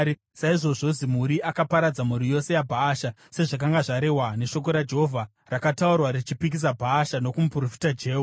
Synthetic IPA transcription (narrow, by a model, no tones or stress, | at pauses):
saiʐo̞ʐo̞zimuɾiʔakapaɾad͡zamuɾijo̞se̞jabʱaːʃa | se̞ʐak̬aŋɡaʐaɾe̞ɦwane̞ʃo̞k̬o̞ɾad͡ʒe̞ɦovʱa | rakataurwaɾit͡ʃipik̬is̬abʱaːʃano̞kumupurofi̥tad͡ʒe̞ːu